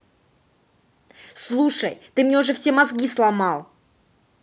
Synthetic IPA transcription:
slˠuʂə̰jt̪ɨmnʲeʊʐɛfsʲemɐzɡʲislˠɐmɑlˠ

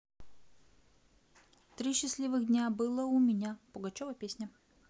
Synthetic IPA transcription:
t̪ɾʲiɕːɪsʲlʲivɨɣdʲnʲabɨlˠəʊmʲɪnʲapʊɡɐt͡ɕovəpʲesʲnʲə

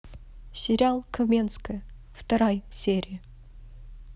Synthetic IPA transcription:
sʲeɾʲalˠkʰomʲenskə | ft̪ɐɾɑjsʲeɾʲijə

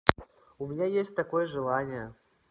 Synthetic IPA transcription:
umʲɪnʲajesʲt̚ʲt̪akojəʐɨlˠanʲɪjə

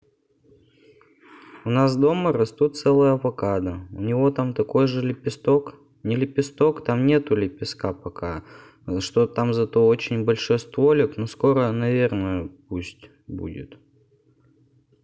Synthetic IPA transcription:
ʊnas̬d̪o̞mərɐst̪ut̪̚sɛlˠəjəɐvɐkad̪əʊ̰nʲɪvo̞t̪amt̪ɐko̞jʐɨlʲɪpʲɪst̪o̞k | nʲɪlʲɪpʲɪst̪o̞kt̪amnʲe̞t̪ʊlʲɪpʲɪskapɐka | ʂt̪ot̪amzɐt̪o̞ot͡ɕɪnʲbɐlʲʂojst̪volʲɪknosko̞ɾənɐvʲe̞rnəjəp̚usʲtʲ | bṵdʲɪ̰t̪

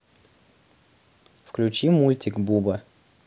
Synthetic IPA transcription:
fklʲʉt͡ɕimːulʲtʲɪkbubə

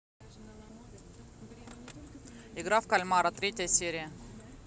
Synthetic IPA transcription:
ɪɡɾafkɐlʲmaɾət̪ɾʲetʲəjəsʲeɾʲɪjə

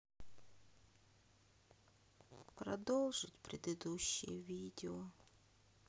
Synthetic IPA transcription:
pɾɐd̪ɔlˠʒɪtʲpɾʲed̪ed̪uɕʲːḭjɛʋʲidʲeɔ

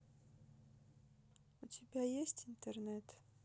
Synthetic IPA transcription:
ʊtʲɪbʲajesʲtʲɪnt̪ərnɛt̪

